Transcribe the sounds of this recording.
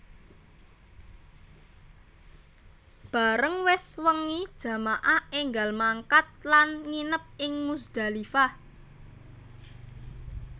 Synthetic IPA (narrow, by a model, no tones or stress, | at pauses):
b̥a̤ɾəŋwɪswəŋid̥ʒ̥ä̤maʔaeŋɡalmaŋkat̪̚lanŋinəp̚ɪŋmusd̪̥a̤lifa